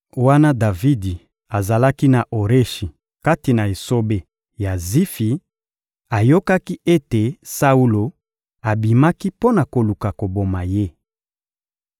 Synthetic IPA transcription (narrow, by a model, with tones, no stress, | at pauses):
wa˦na˦da˨vi˦di˨ | a˨za˨la˦ki˦na˨ʔo˨ʁe˦ʃi˨ | ka˦ti˨na˨e˨so˦be˦ | ja˨zi˦fi˨ | a˨jo˦ka˦ki˦ʔe˦te˨sa˦u˦lo˨ | a˨bi˨ma˦ki˦po˦na˨ko˨lu˨ka˨ko˨bo˨ma˨je˦